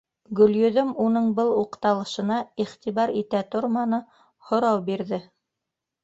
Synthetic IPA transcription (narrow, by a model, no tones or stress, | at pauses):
ɡɵ̆ljɵ̆ðɵmunɤɴbɤlˠuqt̪ɑlˠɤ̆ʃɤ̆nɑiχt̪iβɑɾit̪æt̪ŏɾmɑnɤ | hŏɾɑwbiɾðɘ